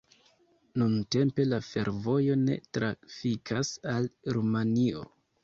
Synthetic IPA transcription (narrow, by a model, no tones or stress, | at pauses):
nunte̞mpe̞lafe̞ɾvo̞jo̞ne̞̰tɾafikʰasalɾumanio̞̰